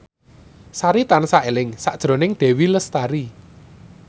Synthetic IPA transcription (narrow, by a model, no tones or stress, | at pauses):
saɾit̪ansaelɪŋsad̥ʒ̥ɾo̤nɪŋɖ̪̥ɛ̤wiləst̪aɾi